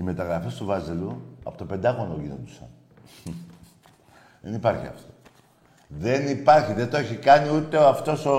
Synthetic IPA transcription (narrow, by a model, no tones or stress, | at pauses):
ime̞t̪ɐɣɾɐfest̪uvɐziluɐpo̞t̪ope̞nd̪ɐɣonoʝinond̪usɐn | ðe̞̰nipɐɾçḭɐ̰ft̪o̞ | ðe̞nipɐɾçiðet̪oeçikɐniut̪e̞oɐft̪o̞so